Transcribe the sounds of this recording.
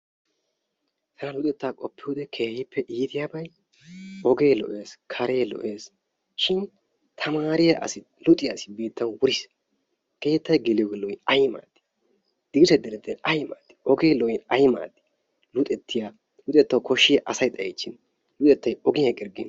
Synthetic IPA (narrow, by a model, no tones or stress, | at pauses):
t̪ʰɐnɐlʊt̪ʼɛt̪ːakʼɔpːɪjud̪ɛkʰe̞ːhɪpʰːɛʔiːt̪ɪjaːbɐj | ɔɡeːlɔ̰ʔe̞ːskʰɐɾeːlɔ̰ʔe̞ːs | ʃɪn | t̪ʰɐmaːɾɪjɐʔɐ̰sɪ | lʊt̪ʼɪjasɪ̥beːt̪ːɐnwʊɾɪs | keːhɪt̪ːɐjɡɛlɪjɔɡɛlɔʔɪɐjma̰ːd̪̥ɪ̥ | d̪̥ɪɡɪsɐd̪ɛɾɛt̪ːɛnɐjma̰ːd̪ɪ̥ʔɔɡe̞ːlɔʔɪnɐjma̰ːd̪ɪ̥ | lʊt̪ʼɛt̪ːɪja | lʊt̪ʼɛt̪ːɐwkɔʃːɪjɐʔɐsɐjt̪ʼɐjɛ̰t͡ʃːɪn | lʊt̪ʼɛt̪ːɐjɔɡɪjɐkʼɪɾɡɪ̰n